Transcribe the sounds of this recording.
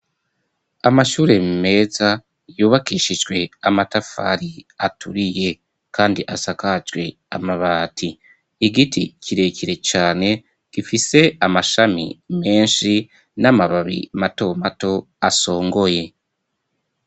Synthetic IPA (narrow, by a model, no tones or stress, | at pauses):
amaʃuːɾe̞mme̞ːza | juːβakiːʃid͡ʒɡwe̞amatafa̰ɾiatuɾije̞ | kaːndiʔasakat͡ʃɡwe̞ | a̰maβaːtʰiː | ɡitḭciɾe̞ːciɾe̞t͡ʃaːne̞ | ɡ̥ifise̞amaʃamḭme̞ːnʃi | namaβaβḭmato̞mato̞ | aso̞ːŋɡo̞je̞